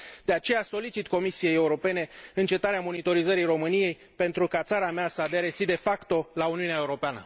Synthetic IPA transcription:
dd̪̥e̞at͡ʃe̞jaso̞lit͡ʃit̪ko̞misije̞je̞uɾo̞pe̞ne̞ɨnt͡ʃe̞t̪aɾeamo̞nit̪o̞ɾizəɾijro̞mɨnije̞j | pe̞nt̪ɾukat̪saɾameasəad̪eɾesid̪e̞fakt̪o̞launiuneaeuɾo̞peanə̰

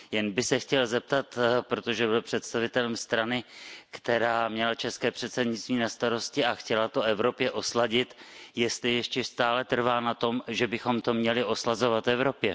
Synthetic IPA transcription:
jɛnbɪsɛxcɛlzɛp̚t̪at̪pɾot̪o̞ʒɛbɪlpr̝̥ɛt̪st̪avɪt̪ɛlɛmst̪ɾanɪkt̪ɛɾaːmɲɛlat͡ʃɛskɛːpr̝̥ɛt̪sɛdɲɪt͡st̪viːnast̪aɾo̞scɪaxcɛlat̪o̞ʔɛvɾo̞pjɛʔo̞slaɟɪt̪jɛst̪lɪjɛʃcɛst̪aːlɛt̪r̩vaːnat̪o̞mʒɛbɪxo̞mt̪o̞mɲɛlɪʔo̞slazo̞vat̪vɛvɾo̞pjɛ

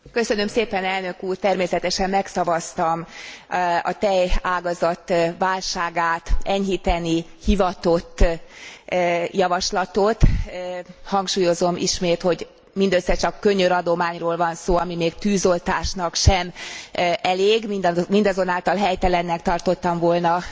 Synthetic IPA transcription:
kø̞sø̞nø̞mseːpɛnɛlnø̞kuːrt̪ɛrmeːsɛt̪ɛʃɛmːɛksɒvɒst̪ɒm | ɒ̰t̪ɛjaːɡɒzɒt̪ːʋaːlʃaːɡaːt̪ɛɲɦit̪ɛnihivɒt̪o̞t̪ː | jɒvɒʃlɒt̪o̞t̪ | hɒŋkʃuːjo̞zo̞mʔḭʃmeːt̪ho̞ɟ | mind̪øsːɛt͡ʃɒkːø̞ɲøɾɒd̪o̞maːɲroːlvɒnsoːɒmimeːɡt̪yːzo̞lt̪aːʃnɒkʃɛm | ɛleːɡmind̪mind̪ɒzo̞naːlt̪ɒlɦɛjt̪ɛlɛnːɛk̚t̪ɒrt̪o̞t̪ːɒɱvoːlnɒ

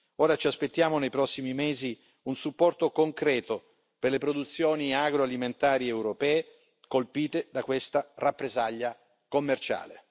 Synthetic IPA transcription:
oːɾat͡ʃiaspet̪ːjaːmonejpɾɔsːimimeːzi | unsupːɔrt̪okoŋkɾɛːt̪o | perlepɾod̪ut̪sːjoːniaɡɾoaliment̪aːɾiɛwɾopɛːe | kolpiːt̪ed̪akwest̪arapːɾezaʎːa | komːert͡ʃa̰ːle

